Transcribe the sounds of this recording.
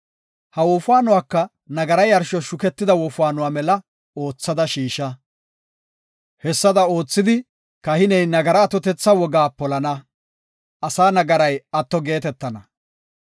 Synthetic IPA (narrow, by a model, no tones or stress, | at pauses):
hɐwɔfʊaːnʊwaːkːɐ | nɐɡɐɾɐjɐɾʃɔʃʊkɛt̪ːɪd̪ɐwɔfʊaːnʊwaːmɛlɐ | o̞ːt͡sːɐd̪ɐʃiːʃɐ | hɛsːɐd̪ɐo̞ːt͡sːɪd̪ɪ | kɐhɪnɛjnɐɡɐɾɐːt̪ɔt̪ɛt͡sːɐwɔɡaːpɔlɐnɐ | ʔɐsaːnɐɡɐɾɐjɐt̪ːɔɡe̞ːt̪ɛt̪ːɐnɐ